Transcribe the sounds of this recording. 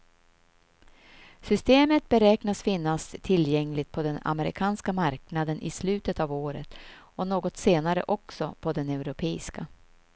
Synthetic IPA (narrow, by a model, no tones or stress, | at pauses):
sʏst̪eːmət̪̚bɛɾɛːknasfɪnːast̪ʰɪljɛŋlɪt̪̚pʰɔd̪ɛna̰mɛɾɪ̰kʰɑːnskamaɾknad̪ənʔɪ̰slʉ̟ːt̪ət̪aːvoːɾə̰t̪ | ɔnoːɡɔt̪seːnaɾə̰ʔɔksɔpʰɔd̪ɛnɛʉɾʊpʰeːɪska